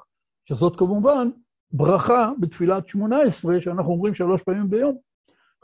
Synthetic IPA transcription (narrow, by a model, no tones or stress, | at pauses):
ʃezo̞t̪kamuvan | bʁaχabet̪filat̪ʃmo̞naesʁe̞ʃeanaχnuo̞mʁimʃalo̞ʃpaːmimbejo̞m